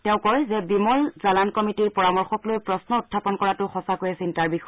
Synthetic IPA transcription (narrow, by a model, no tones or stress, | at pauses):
tɛ̃ʊ̃kɔɹzɛbimɔlzalankɔmitiɹpɔɹamɔɹxɔklojpɹɔsnɔʊtʰːapɔnkɔɹatʊxɔsakojɛsintaɹbixɔ